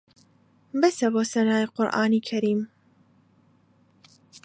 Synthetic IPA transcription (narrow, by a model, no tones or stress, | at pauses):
bɐsɐboːsɐnaːjqʊɾʔa̰ːniːkʰɐɾiːm